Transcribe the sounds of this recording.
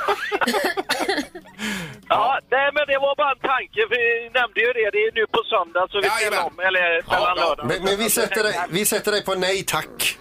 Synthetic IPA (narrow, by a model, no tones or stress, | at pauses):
ɑːnɛɪmɛnd̪ɛvaɾbɑːɾaɛnt̪ʰaŋkəfɪnɛmd̪əjɵd̪ɛd̪ɛnʉ̟ːpʰɔsœnd̪asɔvɪsɛɔmːɛlːəɾmɛlːanœːɖamɛmɛnvɪsɛt̪ːəɛvɪsɛt̪ːəɖɛjpʰɔnɛjt̪ʰakː